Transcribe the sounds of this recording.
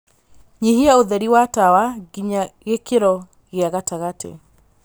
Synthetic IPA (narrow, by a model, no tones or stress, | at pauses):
ɲeɦiaoðɛɾiwatawaɣiɲaɣekeɾɔ | ɣeaɣataɣatʰḛ